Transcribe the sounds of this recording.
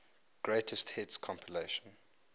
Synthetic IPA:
ɡ̥ɹeɪtʰəsthɛtskʰɔ̃mpʰileʃə̃n

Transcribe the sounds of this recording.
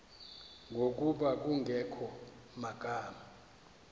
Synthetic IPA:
ŋɡʱok̬ʼuɓak̬ʼuŋɡʱɛkʰɔ | makʼaːma

